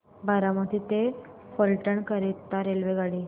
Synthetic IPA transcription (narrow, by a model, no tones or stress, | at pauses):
bʱaɾaməd̪ʱit̪efəlʈəɳkəɾit̪ːaɾelʋeɡaɽi